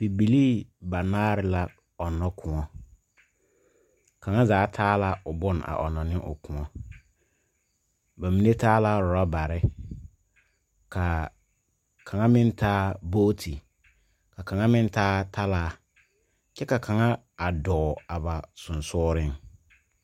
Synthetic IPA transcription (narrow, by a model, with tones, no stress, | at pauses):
b̥i˨bi˨li˦ba˨naː˦ɾɪ˨la˦ | ɔ˨nːɔ˦kʰʊ˨ŋɔ˦ | ka˨ŋa˦zaː˨˦tʰaː˦la˦ʊ˨bʊ˦na̰˨ʔɔ˨nɔ˨nɪ˦ʔʊ̰˨kʊ˨ŋɔ˦ | ba˨mi˨˦ne˦taː˦la˦ɾʊ˨ɾa˦ba˨ɾɪ˦ | ka˨ | kʰa˨ŋa˦mɪ˦n˦taː˦boː˦tʰi˨ | ka˨ka˨ŋa˦mɪ˦n˦taː˦tʰa˦laː˦ | t͡ʃɛ˦ka˨kʰa˨ŋa˦ | a˨dɔː˨a˨ba˨sʊ˨nsʊː˦ɾɪ˦ŋ